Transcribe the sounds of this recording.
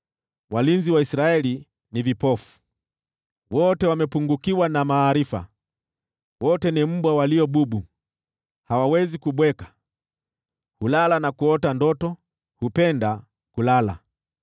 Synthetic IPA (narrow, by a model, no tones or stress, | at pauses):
walinziwaisɾaɛli | nivipɔfu̥ | wɔtɛwamɛpuŋɡukiwanamaːɾifa̰ | wɔtɛnim̩ɓwawaliɔɓuɓu | hawawɛzikuɓwɛkḁ | hulalanakuɔtandɔtɔ | hupɛnda | kulala̰